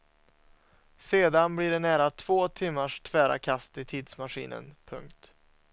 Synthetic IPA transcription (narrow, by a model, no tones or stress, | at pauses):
seːd̪anbliɖɛnæːɾat̪ʰv̥oːt̪ʰɪmːaʂt̪ʰv̥æːɾa̰kʰast̪ɪt̪ʰiːd̪smaɧḭːnə̰npʰɵŋk̚t̪